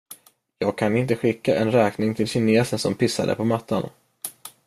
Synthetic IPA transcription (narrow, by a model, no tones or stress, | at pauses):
jɑːɡ̚kʰanɪnt̪əɧɪkːaʔɛnɾɛːknɪŋt̪ʰɪlɕɪneːsənsɔmpʰɪsːa̰d̪ə̰pʰɔmat̪ʰːa̰n